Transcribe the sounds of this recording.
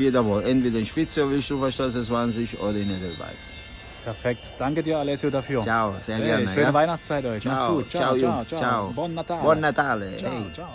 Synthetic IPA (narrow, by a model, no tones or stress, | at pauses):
iːɐdavɔʔɛntv̥eːdɐɪnʃpɪt͡sovɪlɪçd̥uːfɛɐʃtɛsɛsvaːnzɪçʔo̰ːɾɐɪnɛdəva̰ɪt | pʰɛɐfɛk̚td̥aŋkədiːɐalɛsjodafyːɐt͡ʃaʊz̥eːɐɡɛɐnəʃøːnəvaɪnat͡st͡saɪtɔɪaaɡ̥uːtt͡ʃt͡ʃaʊit͡ʃt͡ʃːaʊbɔnnatʰaːbɔnnatʰaːləhɛ